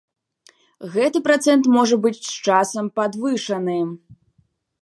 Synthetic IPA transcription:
ɣɛt̪ɨpɾat̪sɛnt̪mɔʐɐbɨt͡sʲst͡ʂasɐmpad̪vɨʂɐnɨ

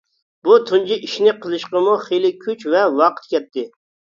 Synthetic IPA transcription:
but̪ʰunt͡ʃiʔiʃnɪqʰəlˠɨʃqəmuχelˠɪkʲʰyt͡ʃvɛwɑqʰə̥t̪̚kʲɛt̪ʰːɪ

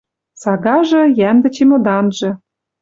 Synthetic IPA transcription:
sɑɣɑʒɤ̆jænd̪ɘ̆t͡ɕemŏd̪ɑnʒɤ̆

